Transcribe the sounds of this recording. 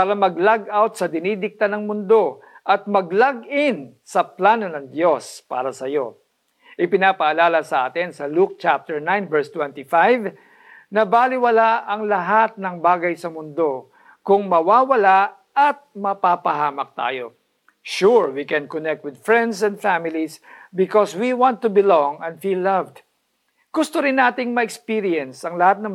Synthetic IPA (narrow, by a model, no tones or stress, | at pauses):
paːɾɐmɐɡlaɡawt̪̚sɐd̪ɪnid̪ɪk̚t̪anɐŋmʊnd̪o̞ | ʔɐt̪̚mɐɡlaɡɪn | sɐplaːno̞nɐŋd̪jo̞spa̰ːɾɐsɐjo̞ | ʔɪpɪnaːpɐʔɐlaːlɐsɐʔaːt̪ɪnsɐluk̚t͡ʃap̚t̪ɛɹnajnvɛɹst̪wɛ̃nt̪ɪfajv | nɐbaːlɪwɐlaʔɐŋlɐɦat̪̚nɐŋbaːɡɐjsɐmʊnd̪o̞ | kʊŋmɐwaːwɐla | ɐt̪̚mɐpapɐɦaːmɐk̚t̪a̰ːjo̞̰ | ʃuɹwikɛ̃nkɔnɛk̚t̪̚wɪd̪̚fɹɛ̃nd̪sɛ̃nd̪famɪlisbɪkɔswiwãnt̪ːʊbɪlɔŋɛ̃nd̪filːɐvd̪ | ɡ̥ʊst̪oɾɪnːaːt̪ɪŋmɐʔɛkspiɾiɛnsɐŋlɐhat̪̚nɐŋ